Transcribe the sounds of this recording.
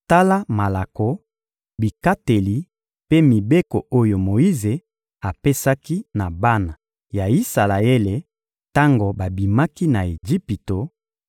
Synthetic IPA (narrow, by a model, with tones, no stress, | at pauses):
ta˦la˦ma˨la˨ko˨ | bi˨ka˦te˨li˨ | pe˦mi˨be˦ko˨o˦jo˨mo˨i˦ze˨ | a˨pe˦sa˦ki˦na˨ba˦na˨ | ja˨i˦sa˨la˨e˦le˨ | ta˦ŋɡo˨ba˨bi˨ma˦ki˦na˨e˨d͡ʒi˦pi˨to˨